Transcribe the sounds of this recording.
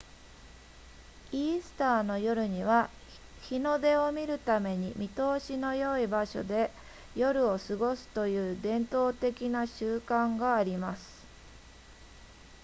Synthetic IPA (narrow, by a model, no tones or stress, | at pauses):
iːsɨ̥t̪aːno̞jo̞ɾɯ̟ɲ̟iβ̞a | çino̞d̪e̞o̞mʲiɾɯ̟t̪ame̞ɲ̟imʲʔʲit̪o̞ːɕino̞jo̞ibaɕo̞̰d̪e̞ | jo̞ɾɯ̟o̞sɨɡo̞sɨ̥t̪o̞jɯ̟ːd̪ẽ̞nt̪o̞ːt̪e̞kʲinaɕɨːkãŋɡaːɾʲimasɨ̥